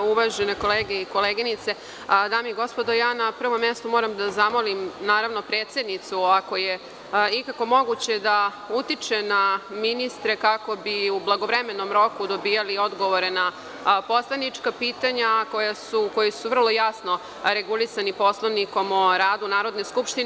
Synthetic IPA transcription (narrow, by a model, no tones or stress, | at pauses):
uʋaʒeneko̞leːɡeiko̞leːɡinit̪se̞ | d̪aːmeiɡo̞spo̞d̪o̞jaːnapr̩ʋo̞mːjest̪umo̞ːɾamd̪azamo̞limnaːɾaʋno̞pɾeːt̪se̞d̪nit̪suako̞je̞ | ikako̞mo̞ɡut͡ɕe̞d̪a | ut̪it͡ʃe̞naminist̪ɾe̞kako̞biublˠaɡo̞ʋɾeme̞no̞mɾo̞kud̪o̞biːjalio̞d̪ɡo̞ʋoɾena | po̞slˠanit͡ʂkapiːt̪aɲako̞jasuko̞jesuʋr̩lˠo̞jasno̞ | ɾe̞ɡulisanipo̞slˠoʋniko̞moɾaːd̪unaːɾo̞d̪neskupʃt̪in